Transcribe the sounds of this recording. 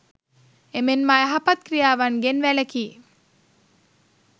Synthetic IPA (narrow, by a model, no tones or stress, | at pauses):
emenmajɛɦapɐt̪̚kɾijaːʋanɡenʋælekiː